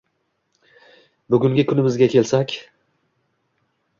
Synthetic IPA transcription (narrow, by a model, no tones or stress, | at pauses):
bʊɡʲʊŋɡʲɪkʲʰʊnɪmɪzɡʲakʲʰe̞lsakʲ